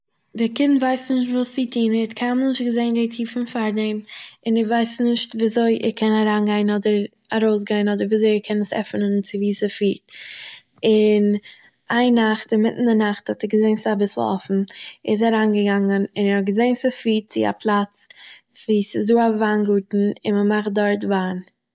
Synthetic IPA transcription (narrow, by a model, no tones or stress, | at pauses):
dɪkɪntvaɪsnɪʃtvuːsitʰiːnɛɛtkʰamnɪʃt̚ɡəzeɪnditʰiːfn̩faɾdɛmɪnɛvaɪsnɪʃtviːzoɪʔɛ̰ɾkʰɛnaɾaːnɡaɪnɔdəɾ | aɾoʊs̬ɡaɪnɔdəɾviːzoɪɛkʰɛnəsɛ̰fnənt͡sɪviːsəfiːt̚ | ɪn | aɪnaχtɪmɪtn̩dɪnaχthɔtɛɡəzeɪnsabɪsl̩ˠɔ̰fn̩ɛs̬aɾaːnɡəɡaŋənɪnɛɾhɔt̚ɡəzeɪnsəfiːt̚t͡sɪ̰a̰pʰlˠat͡s | viːsɪsduːavaːnɡuːtn̩ɪ̰nməmaχt̚dɔɾtvaːn